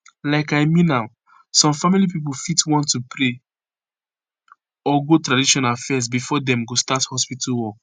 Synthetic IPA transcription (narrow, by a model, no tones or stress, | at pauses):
laɪkaɪmĩnːaʊ | sɔ̃mfamilipip̬olfitwɔ̃ntːupʰɾe | ɔɡotɾadiʃɔ̃nafɛz̬bifɔdɛ̃mɡostathɔspitalwɔk